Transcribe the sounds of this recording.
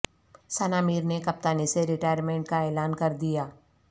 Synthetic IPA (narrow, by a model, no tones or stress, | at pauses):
sanaːmiːɾnekɐp̚t̪aːniseɾɪʈaːjəɾmẽːɳʈ̚kaeːlaːnkɐɾd̪ijaː